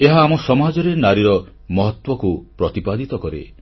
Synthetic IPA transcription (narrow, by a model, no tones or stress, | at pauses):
eɦaːmɔsɔmad͡ʒɔɾenaɾiɾɔ | mɔɦɔt̪wɔkupɾɔt̪ipad̪it̪ɔkɔɾḛ